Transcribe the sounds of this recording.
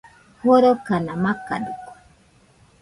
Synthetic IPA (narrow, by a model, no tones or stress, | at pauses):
hoɾokanamaka̰ɗuko̥